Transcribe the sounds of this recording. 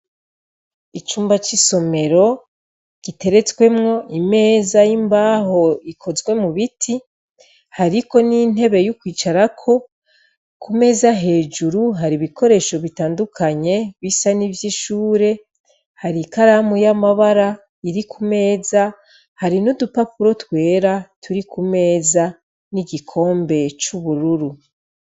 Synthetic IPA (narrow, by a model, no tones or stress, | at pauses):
it͡ʃuːmbat͡ʃiso̞me̞ɾo̞ | ɟ̥ite̞ɾe̞t͡sɡwe̞mŋo̞ʔime̞ːzajimbaːɦo̞ikʰo̞zɡwe̞muβitʰi | haɾiko̞nin̥he̞βe̞jukwiːt͡ʃaɾakʰo̞ | kʰume̞ːzaɦe̞ːd͡ʒuɾuɦaɾiβiko̞ɾe̞ʃo̞βitaːndukʰaɲe̞βisanivjiʃuːɾe̞ | haɾikaɾamujamaβaɾa | iɾikʰume̞ːza | haɾinudupapuɾo̞twe̞ːɾatuɾikʰume̞ːza | niɡikʰo̞ːmbe̞t͡ʃuβuɾuɾu